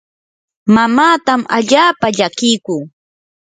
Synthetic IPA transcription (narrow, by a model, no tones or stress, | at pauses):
mamaːt̪amaʎaːpaʎakɪjkuː